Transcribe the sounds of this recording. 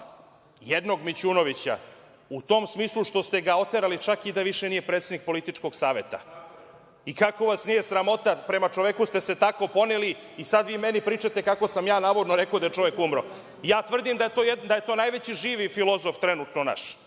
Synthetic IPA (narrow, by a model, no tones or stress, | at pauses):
jed̪no̞ɡmit͡ɕunoʋit͡ɕa̰ | ut̪o̞msmiːslˠuʃt̪o̞st̪e̞ɡao̞t̪eɾalit͡ʂakid̪aʋiʃenije̞pɾet̪sed̪nik̚po̞lit̪it͡ʂko̞ɡsaːʋe̞t̪a̰ | ikako̞ʋasnije̞sɾamo̞t̪apɾe̞mat͡ʃoʋekust̪e̞se̞t̪ako̞po̞neli | isad̪ʋiːmenipɾiːt͡ʃat̪e̞kako̞samjaːnaːʋod̪noɾe̞kod̪ajet͡ʂo̞ʋekumɾo | jaːt̪ʋr̩d̪imd̪aet̪od̪ajet̪oːnajʋet͡ɕiʒiːʋifilˠo̞zo̞ft̪ɾenut̪nona̰ʃ